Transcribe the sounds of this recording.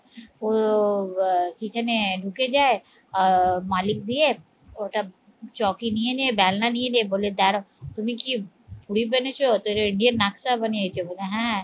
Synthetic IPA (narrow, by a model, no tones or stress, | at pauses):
o | kit͡ʃaneɖʱuked͡ʒaːe | ɔɾmaːlɪk̚d̪ie | oːʈa | t͡ʃɔːkinieniebɛːlnanieneeboːled̪ɛːɾõt̪ʊmĩki | puɾibɐnet͡ʃʰot̪oɾoɪɳɖijənːaksabɐniet͡ʃoboːleɦɛ̃